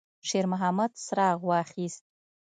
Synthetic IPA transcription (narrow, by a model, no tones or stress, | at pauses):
ʂermɦamadsraːʁʷaːχʲiztʼ